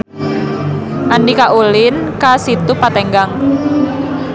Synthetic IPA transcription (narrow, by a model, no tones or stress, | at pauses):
ʔanikaʔulɪnkasit̪upat̪ɛŋɡaŋ